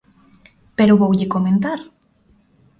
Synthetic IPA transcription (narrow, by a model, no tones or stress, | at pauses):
peɾʊβowʎɪkomẽnt̪aɾ